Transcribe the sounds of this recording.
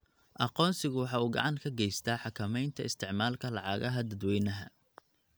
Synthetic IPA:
ʔɑqɔːnsɪɣʊwɑħɑːuːɡɑ̰ʕɑŋkʰɐɡɛjst̪ʰaːħɑkʰɐmɛjnt̪ʰɐɪst̪ʰɪʕmaːlkʰɐlɑʕɑɣɐɦɐd̪ɐd̪wɛjnɐɦɐ

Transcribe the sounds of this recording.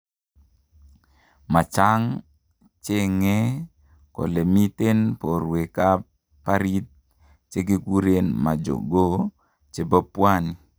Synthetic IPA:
mat͡ʃaŋ | t͡ʃeŋe | ko̰lemit̪ɛnpɔruekap | pːaɾit̪̚ | t͡ʃeɡekuɾɛnmad͡ʒɔ̰ɡo | t͡ʃebapuani

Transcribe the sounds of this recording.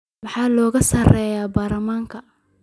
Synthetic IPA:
mɑħɑːlɔːɣɐsɐrɛːjaːbaːrɐmaːŋkʰɐ

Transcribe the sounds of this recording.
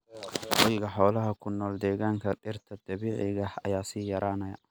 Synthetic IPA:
wɔjɣɐħɔːlɐɦɐkʰʊnːɔːld̪ɛːɣaːŋkʰɐɗɪrt̪ʰɐd̪̥ɐβiːʕɪɣɐhɐ̰jaːsiːjɐɾʔaːnɐjɐ

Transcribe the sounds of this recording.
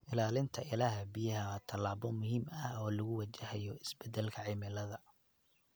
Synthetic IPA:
ʔɪlaːlɪnt̪ʰɐʔɪlaːɦɐbijɐɦɐwaːt̪ʰɐlaːβɔmʊɦiːmɐhɔːlɐɣʊwɐt͡ʃɐɦɐjɔɪsbɛd̪ɛlkʰɐʕɪmɪlɐðɐ

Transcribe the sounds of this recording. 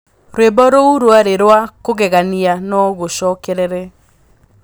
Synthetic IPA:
ɾwebɔɾouɾwaɾeɾwakoɣɛɣanianɔɣoʃɔkɛɾɛɾɛ

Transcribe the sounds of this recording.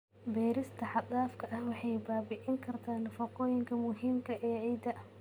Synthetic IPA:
bɛːɾɪst̪ʰɐħɑd̪aːfkʰɐʔɐhwɑħɑjbaːbɪʕɪŋkʰɐrt̪ʰaːnfɐqɔːjɪŋkʰɐmʊɦiːmkʰɐʔɛːʕɛjd̪ɐ

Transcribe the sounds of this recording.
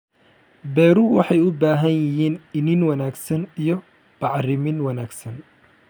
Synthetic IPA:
bɛːɾʊwɑħɑjʊbaːɦɐnjɪɦiːnɪnɪnwɐnaːɡsɐnijɔ | b̥ɑʕrɪmɪnwɐnaːɡsɐn

